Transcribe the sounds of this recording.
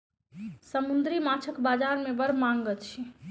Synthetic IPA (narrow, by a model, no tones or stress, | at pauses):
səmund̪ɾimat͡ʃʰəkbad͡ʒaɾmebəɾmaŋɡətt͡ʃʰi